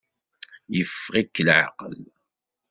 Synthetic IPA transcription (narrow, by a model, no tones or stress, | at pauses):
jəfːʁikːəlʕa̰qə̰l